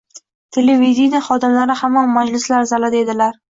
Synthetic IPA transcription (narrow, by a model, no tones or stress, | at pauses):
t̪ʰelevid̪ʲinaχɒd̪ɪmlaɾɪhamːanmad͡ʒlɪslaɾzalad̪ed̪ɪlaɾ